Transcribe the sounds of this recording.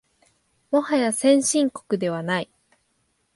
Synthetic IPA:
mohajasẽ̞ɰ̃ɕĩŋko̞̥kɯ̟d̪e̞β̞anai

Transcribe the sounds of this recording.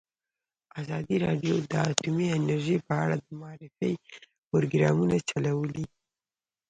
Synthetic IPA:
azɑd̪iɾɑɖjod̪əat̪umiɪnaɾʒipəaɽad̪əmʊɑɾɪfəj | pʊɾoɡɾɑmunat͡ʃalawəli

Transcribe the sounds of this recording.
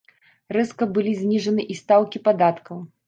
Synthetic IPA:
rɛskɐbɨlʲizʲnʲiʐɐnɨʔist̪awkʲipad̪at̪kɐw

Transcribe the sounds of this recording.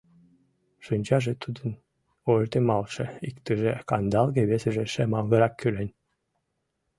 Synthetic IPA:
ʃɯnʲt͡ɕɑʒĕt̪ud̪ə̆n | ort̪emɑlʃĕikt̪ə̆ʒekɑnd̪ɑlɣĕβesə̆ʒĕʃemɑlˠɣɤ̆ɾɑkʰːylenʲ

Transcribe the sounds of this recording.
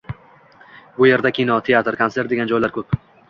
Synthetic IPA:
bʊje̞ɾd̪akʲʰinɒt̪ʰe̞at̪ɾkʰonseɾt̪d̪e̞ɡʲand͡ʒɒjlaɾkʰɵp

